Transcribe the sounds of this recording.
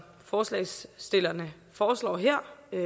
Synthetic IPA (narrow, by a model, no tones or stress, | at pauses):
fɒːslɛ̰ɪsd̥e̝lɐnə | fɒːslɒ̰ːɦeɐ̰